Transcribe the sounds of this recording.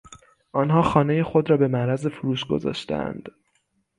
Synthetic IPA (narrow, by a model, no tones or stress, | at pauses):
ʔɒnɦɒːxɒːne̞jexo̞d̪ɾɒːbe̞mæɾæzefuɾuːʃɡo̞̰zɒ̰ːʃt̪æ̰æ̰nd̪̥